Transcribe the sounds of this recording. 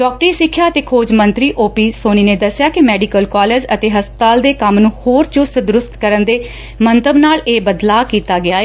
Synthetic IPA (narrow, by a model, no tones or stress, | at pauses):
ɖɔːk̚ʈɾiːsɪkʰːjaːət̪eːkʰoːd͡ʒmənt̪ɾiːʔoːpiːsoːniːnẽːd̪əsɪjaːkɪmɛːɖikəlkaːleːd͡ʒət̪eːɦəspət̪aːld̪eːkəmnũːhoːɾt͡ʃʊst̪d̪ʊɾʊst̪kəɾənd̪eː | mənt̪əbnaːleːbəd̪laːkiːt̪aːɡɪaːeː